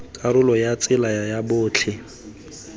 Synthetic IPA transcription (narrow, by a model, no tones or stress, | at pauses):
kʼaɾʊlɔjat͡sʼɪlaajabʊːt͡ɬʰɪ